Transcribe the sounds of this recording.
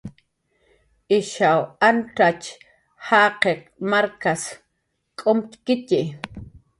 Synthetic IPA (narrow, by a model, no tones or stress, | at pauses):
ʔiʃawanʈ͡ʂat͡ʃ | haːqeq̚maɾkas | kʼomt̪kit̪iʔ